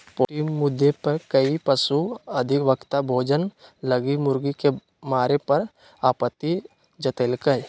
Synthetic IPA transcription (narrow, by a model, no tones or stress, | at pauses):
poʈimʊd̪ʱːepəɾkəipəsuɐd̪ʱɪkʋəkt̪abʱoːd͡ʒənləɡimʊɾɡike | maːɾepɐɾ | aːpət̪ːi | d͡ʒət̪eːlkəj